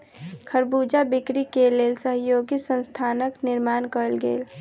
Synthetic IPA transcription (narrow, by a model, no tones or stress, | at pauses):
kʰəɾbud͡ʒabikɾikelelsəɦjoɡisə̃nst̪ʰanəkniɾmankəlɡḛːl